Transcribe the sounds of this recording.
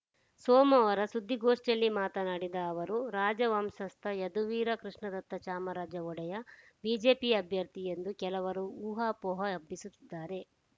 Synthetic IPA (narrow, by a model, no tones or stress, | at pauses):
sɔːmɐʋɐɾɐsud̪ːiɡoːʂʈɐlːimaːt̪ɐnaːɽid̪ɐːʋɐɾuɾaːd͡ʒɐʋɐmsɐst̪ʰɐjɐd̪uʋiːɾɐkɾuʂɳɐd̪ɐt̪ːɐt͡ʃaːmɐɾaːd͡ʒɐɔɽɐjɐ | biːd͡ʒe̞ːpiɐbʱjɐɾt̪ijend̪ukɛlɐʋɐɾuuːɦaːpɔːɦɐɐbːisut̪ːid̪ːaːɾe̞